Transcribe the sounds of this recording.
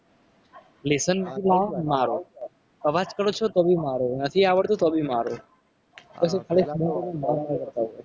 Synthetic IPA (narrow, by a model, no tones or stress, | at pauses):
lesənimamaɾo | kəʋat͡ʃkəɾot͡ʃʰot̪obʱimaɾonət̪ʰiaʋəɭt̪õt̪obʱimaɾo | ɔsek̪ʰalimõkonẽmaakəɾt̪aɦo